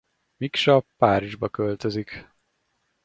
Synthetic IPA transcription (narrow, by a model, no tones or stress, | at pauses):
mikʃɒpːaːɾiʒbɒkølt̪øzik